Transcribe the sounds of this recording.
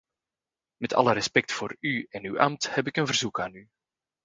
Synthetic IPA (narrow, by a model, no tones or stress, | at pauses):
mɛtʰɑ̰ləɾɛspɛk̚tfoːɾyɛnywʔɑmthɛp̬ɪkənvərzukaːny